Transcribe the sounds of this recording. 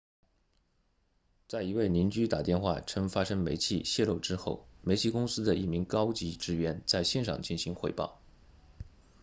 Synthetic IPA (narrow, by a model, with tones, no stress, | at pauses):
t͡sa˥˩ɪi˧˥we˥˩ɪni˧˥nt͡ɕy˥t̪a˨˩t̪jɛ˥˧nxwa̰˥˩ʈ͡ʂʰɤ˥ŋfa˥ʂɤ˥ŋme˧˥ɪt͡ɕʰi˥˧ɕjɛ˥˧lo˥˩ʊʈ͡ʂɻ̩˥xo˥˩ʊme˧˥ɪt͡ɕʰi˥˩kʊ˥ŋsɹ̩˥d̪ə˨i˥˩mi˧˥ŋkɑ˥ʊt͡ɕi˧˥ʈ͡ʂɻ̩˥ɥɛ˧˥nt͡sa˥˧ɪɕjɛ˥˧nʂɑ̰˨˩ŋt͡ɕi˥˩nɕi˧˥ŋxwe˥˧ɪpɑ̰˥˩ʊ